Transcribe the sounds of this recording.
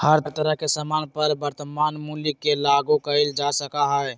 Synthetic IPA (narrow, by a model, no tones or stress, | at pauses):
həɾt̪əɾəɦkesəmanpəɾbəɾt̪əmanmuljikːelaɡukəeld͡ʒasəkaɦəɛ